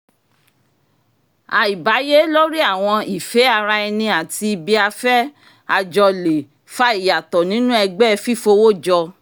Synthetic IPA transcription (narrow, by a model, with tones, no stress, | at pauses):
a˧i˨ba˨˦je˦lɔ˦ɾi˦a˦˨w̃ɔ̃˧i˨fe˨˦a˧ɾa˧ɛ˧nĩ˧a˨ti˧bi˧a˧fɛ˦ | a˧d͡ʒɔ˧le˨ | fa˦i˦˨ja˨tɔ˨nĩ˨˦nũ˦ɛ˧ɡ͡bɛ˦˧fi˦˨fo˧wo˦˨d͡ʒɔ˧